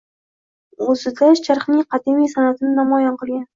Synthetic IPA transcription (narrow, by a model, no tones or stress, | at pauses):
ɵzɪd̪aʃt͡ʃʰaɾχnɪŋqʰɑd̪imijsanat̪ɪnɪnamɒjanqɨlˠɡʲan